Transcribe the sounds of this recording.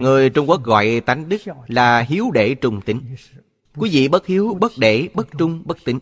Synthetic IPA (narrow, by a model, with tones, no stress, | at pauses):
ŋɨ˨˩əjt͡ɕʊ˧wŋ͡mku˦˥ək̚ɣɔ̰˧˨jt̪a˨˦jŋ̟ɗɨ˦˥k̚laː˨˩ɦi˨˦əwɗe˧˩t͡ɕʊ˨˩ŋ͡mt̪ï˨˦ŋ̟ | kkwi˨˦vḭ˧˨ɓə˦˥t̚hi˨˦əwɓə˦˥t̚ɗe˧˩ɓə˦˥t̚t͡ɕʊ˧ŋ͡mɓə˦˥k̚t̪ï˨˦ŋ̟